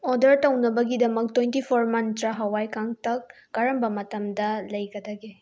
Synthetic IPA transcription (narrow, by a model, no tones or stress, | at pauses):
ɔdɐɾtɐwnɐbɐɡidɐmɐk̚twejntipʰoɾmɐntɾaɦɐwajkaŋtɐk̚ː | aɾɐmbɐmɐtɐmdɐlɐjɡɐdɐɡe